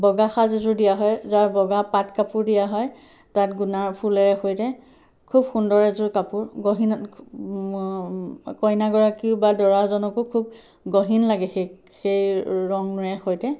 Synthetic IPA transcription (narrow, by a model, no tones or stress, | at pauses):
bɔɡaxazezʊɹdijaɦɔjzaɹbɔɡapatkapuɹdijaɦɔj | tatɡunaɹpʰulɛɹɛxojtɛ | kʰubxundɔɹɛzʊkapʊɹɡɔɦin | kɔjnaɡɔɹakiʊbadɔɹazɔnɔkukʰub̚ | ɡoɦinlaɡɛxe | xejɹɔŋnɹɛxojtɛ